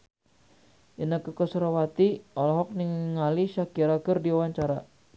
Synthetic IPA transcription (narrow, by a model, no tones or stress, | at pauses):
ʔinakəkəsəɾawat̪iɔlɔɦɔk̚niŋŋaliʃakiɾakərdiawaɲt͡ʃaɾa